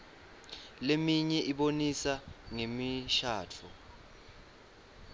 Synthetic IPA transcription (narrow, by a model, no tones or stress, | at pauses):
lemiɲɛʔiɓonisaŋemiʃaːt͡fʰɔ